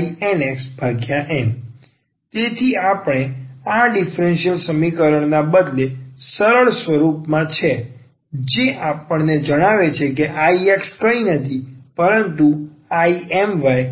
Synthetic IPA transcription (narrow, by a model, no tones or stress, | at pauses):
iɛneksbʱaɡjaʔɛm | t̪et̪ʰiapɽ̃eaɖifɾenʃijəlsəmikəɾəɳ̃nabəd̪lesəɾəɭsʋəɾupmãt͡ʃʰe | d͡ʒeʔapəɳned͡ʒəɽ̃aʋet͡ʃʰek̬eʔaiekskəinət̪ʰipəɾənt̪u | aiɛmʋaj